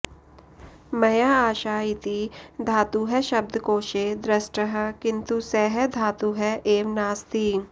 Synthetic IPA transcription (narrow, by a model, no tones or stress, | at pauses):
mɐjaːaːʃaːit̪id̪ʱaːt̪uɦɛʃɐb̚d̪ʱkoːʃeːd̪ɾɐsʈəɦəkɪ̃nt̪usɛːɦɛd̪ʱaːt̪uɦɛʔeːʋnaːst̪iːŋ